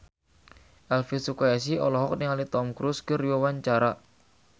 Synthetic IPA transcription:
ʔɛlfisukaɛsiɔlɔɦɔk̚niŋalit̪ɔmkɾuskəriwawaɲt͡ʃaɾa

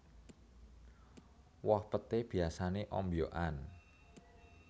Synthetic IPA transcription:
wɔhpət̪eb̥i̤asaneʔɔ̰mbjoʔan

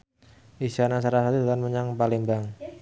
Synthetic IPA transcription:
ʔisanas̬aɾasat̪id̪at̪anməɲaŋpalembaŋ

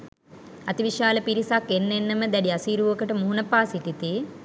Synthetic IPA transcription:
at̪iʋiʃaːləpiɾisakːenːenːəməd̪æɖiasiːɾuʋokəʈəmuɦunəpaːsit̪it̪i

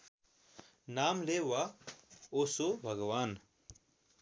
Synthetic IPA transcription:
naːmleːwaːoːsobʱɐɡwaːn

